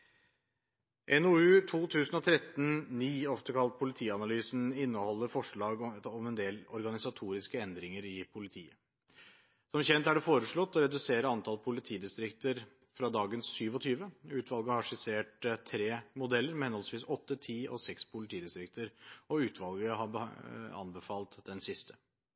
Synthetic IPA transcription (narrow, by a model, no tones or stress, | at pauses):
ʔɛnʊʉːt̪ʰuːt̪ʰʉːsn̩ɔt̪ʰɾɛt̪nniːɔft̪əkʰɑlt̪̚pʰʊlɪt̪ʰiːɑnɑlyːsn̩ɪnːəhɔlːəɾfɔʂɭɑːɡɔmɛnd̪eːlɔɾɡɑnɪsɑt̪ʰuːɾɪskəɛnd̪ɾɪŋəɾɪpʰʊlɪt̪ʰḭːə | sɔmçɛnt̪æɖɛfoːɾəʂɭɔt̪ːɔɾɛd̪ʉseːɾəɑnt̪ʰɑlpʰʊlɪt̪ʰiːd̪ɪst̪ɾɪkt̪əɾ | fɾɑd̪ɑːɡənsːyːʋɔt̪ʰyːʋəʉːt̪ʰʋɑlɡəhɑʂɪseːʈt̪ʰːɾeːmʊd̪ɛlːəɾmɛhɛnhɔlsʋiːsɔt̪ːət̪ʰiːɔ̰sɛkspʰʊlɪt̪ʰiːd̪ɪst̪ɾɪk̚t̪əɾɔʉːt̪ʰʋɑlɡəɦɑbɑ̰nbəfɑːlt̪d̪ɛnsɪst̪ʰə̥